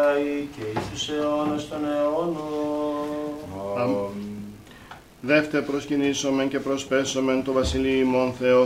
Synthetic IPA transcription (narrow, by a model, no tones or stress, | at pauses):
ɐiceisuseonost̪oneono | ðe̞ft̪eɾpɾoscinisome̞nce̞pɾo̞spesome̞nt̪ovɐsiliimo̞nθe̞o